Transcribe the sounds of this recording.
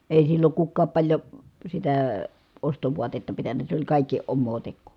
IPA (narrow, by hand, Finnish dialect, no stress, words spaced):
eˑi silːoŋ kukːɑːp pɑlʲjo sitæː ostoʋuɑtetːɑ pitænˑæ se olʲ kɑˑikːi omːoː tekːuˑ